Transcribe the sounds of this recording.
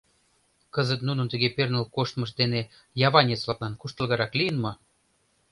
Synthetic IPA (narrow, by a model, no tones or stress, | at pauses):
kəzət̪nunənt̪əɣepernəlkoʃt̪mə̆ʃd̪ene | jɑβɑnʲet͡slɑk̪lɑnkuʃt̪ə̆lɣɑɾɑklijənmɤ̆